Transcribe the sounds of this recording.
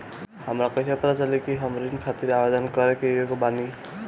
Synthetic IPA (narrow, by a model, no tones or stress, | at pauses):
hʌmɾakʌsʰapɾat͡salikiɦʌmɾinkʰat̪iɾabed̪ʌnkʌɾekeekobani